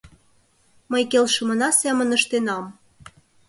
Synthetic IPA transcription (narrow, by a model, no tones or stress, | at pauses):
məjkelʃə̆mɤ̆nɑsæmənəʃt̪enɑm